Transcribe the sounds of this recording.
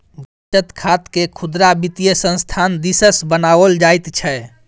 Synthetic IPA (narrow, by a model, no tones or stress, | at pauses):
bəʈːət̪kʰat̪kekʰud̪ɾabit̪ijəsə̃nst̪ʰand̪isəsbənawəld͡ʒajt̪t͡ʃʰɛ